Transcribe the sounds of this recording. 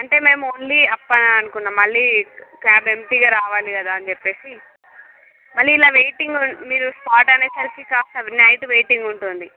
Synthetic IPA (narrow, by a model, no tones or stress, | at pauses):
ɐɳʈe̞ːme̞ːmonliɐpːɐnaɐnukunːaːmːɐɭːiːkaːbe̞mpiːɡaːɾaːʋaːlikɐd̪aːɐnt͡ʃepːe̞ːsi | mɐɭːiːlaːʋejʈiŋɡumiːɾuspaːʈɐneːsɐlfikaːst̪ɐʋnɐjʈuʋejʈiŋɡuɳʈund̪i